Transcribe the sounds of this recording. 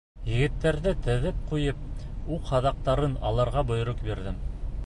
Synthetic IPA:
jɘ̆ɡɘ̆t̪ːæɾðɘt̪ɘ̆ðɘp̚qujɤp̚ | uqhɑðɑq̚t̪ɑɾɤnɑ̰lˠɑɾʁɑbŏj̆ɾoqbiɾðɘm

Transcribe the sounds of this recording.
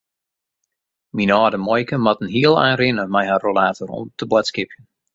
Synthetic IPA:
minɔːdəmɔjkəmɑtən̩ɦiəlˠa̰ːnrɪnəmɛjɦaːrolaːtorɔ̰mtʰəbwatskɪpʰjən

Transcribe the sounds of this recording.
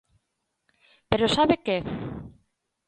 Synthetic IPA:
peɾosaβeke

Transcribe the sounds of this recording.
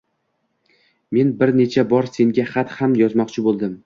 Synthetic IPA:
me̞nbɪɾne̞t͡ʃʰabɒɾse̞ŋɡʲaχat̪hamjɒzmɒqt͡ʃʰɪbolˠd̪ɪm

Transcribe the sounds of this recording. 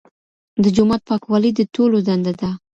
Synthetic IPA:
d̪əd͡ʒʊmat̪̚pɑkwɑləd̪ət̪olod̪and̪ad̪a

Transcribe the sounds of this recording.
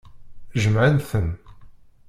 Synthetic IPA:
ʒəmʕənθən

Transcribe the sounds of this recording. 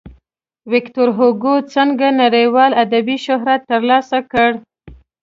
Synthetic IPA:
wɪkt̪oɾɦoɡot͡səŋɡanaɽəjwɑlad̪abiʃʊɦɾat̪ːəɾlɑsakəɽ

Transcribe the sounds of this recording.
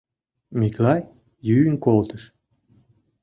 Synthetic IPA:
mʲiklɑj | jynkolˠt̪əʃ

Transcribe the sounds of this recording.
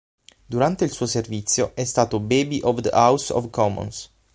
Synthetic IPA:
d̪uɾant̪eilsuːoservit̪sːjoɛst̪aːt̪obeːbiʔɔvd̪ə̰ʔawsɔ̰fkɔmɔ̰ns

